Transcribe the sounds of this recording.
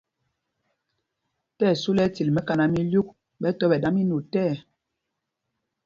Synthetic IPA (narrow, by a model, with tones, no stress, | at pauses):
tɛː˦˨su˦lɛ˦ti˨lmɛ˦ka˨na˨mi˦lju˦k̚ | ɓɛ˦tɔ˦ɓɛ˨da˦mi˦nu˨tɛː˦˨